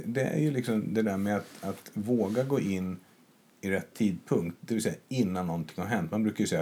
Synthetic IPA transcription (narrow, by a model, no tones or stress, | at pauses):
d̪ɛæ̰ɾjɵlɪksɔmd̪ɛd̪æɾmɛat̪at̪voːɡaɡoːʔɪnː | ɪɾɛt̪ʰːiːd̪̚pʰɵŋkt̪̚d̪ɛvɪlsɛjːaɪnːanːɔnt̪ʰɪ̥ŋhaɾɦɛnt̪manbɾʉ̟ːkaɾjʏsɛjːa